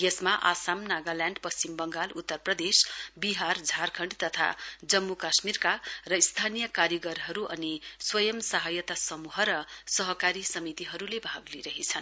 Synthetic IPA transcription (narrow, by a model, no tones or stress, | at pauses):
jʌsmaʔasamnaɡaljãɳɖpʌst͡simbʌŋɡalut̪ːʌrprʌd̪esbiɦard͡zʱarkʰʌɳɖt̪ʌt̪ʰa̰d͡zʌmːukasmirkarʌist̪ʰanijʌkaɾjʌɡʌrɦʌɾuʔʌniswʌjʌmsʌɦajʌt̪asʌmuɦʌɾʌsʌɦʌkaɾisʌmit̪iɦʌɾulebʱaɡliɾʌɦit͡sʰʌn